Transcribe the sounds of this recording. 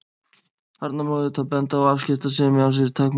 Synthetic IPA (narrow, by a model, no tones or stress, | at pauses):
haɾt̪namɔɣðɪt̪ʰapɛnt̪aɔɣafscɪft̪asɛmans̬ɪɾɪt̪ʰakm